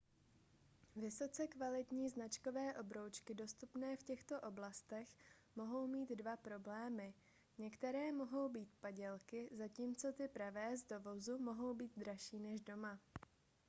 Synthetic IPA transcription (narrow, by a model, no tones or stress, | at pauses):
vɪso̞t͡sɛkvalɪt̪ɲiːznat͡ʃko̞vɛːʔobɾo̞wt͡ʃkɪdo̞st̪upnɛːfcɛxt̪o̞ʔo̞blast̪ɛx | mo̞ɦo̞wmiːd̪dvapɾo̞blɛːmɪ | ɲɛkt̪ɛɾɛːmo̞ɦo̞wbiːt̪̚paɟɛlkɪzaciːmt͡so̞t̪ɪpɾavɛːzd̪o̞vo̞zumo̞ɦo̞wbiːt̪̚d̪ɾaʃiːnɛʒdo̞ma